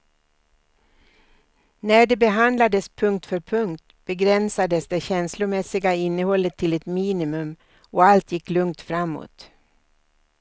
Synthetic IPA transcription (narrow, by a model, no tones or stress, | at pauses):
næɖɛbɛɦand̪lad̪əspʰɵŋk̚t̪fœɾpʰɵŋk̚t̪b̥ɛɡɾɛnsad̪əsd̪ɛɕɛnslʊmɛsɪɡaɪnːəhɔlːət̪ʰːɪlɛt̪miːnɪmɵm | ɔalt̪jɪkːlɵŋt̪fɾamːo̰ːt̪